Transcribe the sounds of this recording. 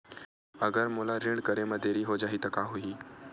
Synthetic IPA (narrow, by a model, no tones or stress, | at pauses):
əɡəɾmolaɾeɳɖkəɾeməd̪ʱeɾiɦod͡ʒaɦit̪əkaɦuiː